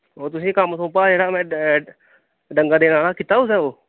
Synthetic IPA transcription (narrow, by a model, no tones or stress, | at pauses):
oːt̪ʊsĩːkaːmsõːpad͡ʒeɽamɛ̃ | ɖəŋɡaɖenaːlakɪt̪aːus̬ɛoː